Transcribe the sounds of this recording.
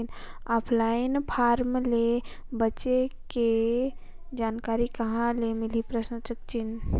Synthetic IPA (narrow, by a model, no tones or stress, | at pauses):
nɔpʰlainpʰaɾmlebətːʃeke | d͡ʒankaɾikəɦãlemilipɾəsə̃t͡ʃəkt͡ʃin